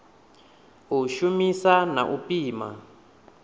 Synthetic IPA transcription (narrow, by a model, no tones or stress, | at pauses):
uʃumisana̰ʔupiːma̰